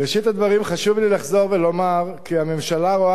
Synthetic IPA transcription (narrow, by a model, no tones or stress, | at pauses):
ʁeʃit̪ad̪vaʁimχaʃuvlilaχzo̞ʁvelo̞maʁkiame̞mʃalaʁo